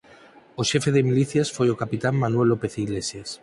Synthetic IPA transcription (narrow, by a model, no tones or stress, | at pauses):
oʃefeðemiliθjasfojokapit̪amːanuwelːopeθiɣlesjas